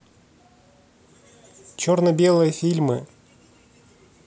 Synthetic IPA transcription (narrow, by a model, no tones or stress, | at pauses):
t͡ɕornəbʲe̞lˠɨjəfʲilʲmɨ̰